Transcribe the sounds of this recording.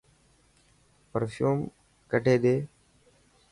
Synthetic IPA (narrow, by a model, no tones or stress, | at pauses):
pəɾfjuːm | kəʈeːd̪eː